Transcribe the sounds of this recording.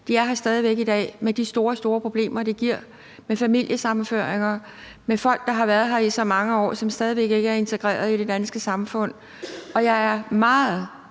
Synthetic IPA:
d̥iɑ̈ɪɦɑ̈sd̥ɛːð̞ˠiʋeɡ̥id̥ɛ̰ːmed̥isd̥o̝ːɐsd̥o̝ːɐpʰʁo̝b̥le̝̰ːmɐd̥eɡ̥iɐ̰ | mefæmil̰jəsɑ̈mføɐeŋɐ | mefɒ̽l̰ɡ̥̚d̥ɑ̈ɦɑ̈ʋæɐðˠɦɑ̈isɒ̽mɑ̈ŋəɒ̰ːsɒ̽msd̥ɛːðˠiʋeɡ̥e̝ɡ̥əæɐe̝nt͡sʰeɡ̥ʁɛ̰ːɐð̞ˠid̥e̝d̥ænsɡ̥əsɑ̈mfɔ̽n̰ | ɒ̽jɑ̈ɪæɐmɑ̈ːð̩ˠ

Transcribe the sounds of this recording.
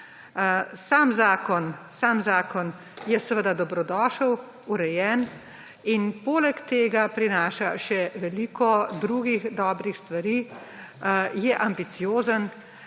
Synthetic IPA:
saːmzaːkɔnsaːmzaːkɔn | jɛsəʋəd̪ad̪ɔbɾɔd̪ɔːʃəw | uɾɛjɛːn | inpoːlɛkt̪eːɡapɾinaːʃaʃɛʋɛliːkʰɔd̪ɾuːɡixd̪ɔːbɾixst̪ʋaɾiː | jɛʔambit̪sijoːzən

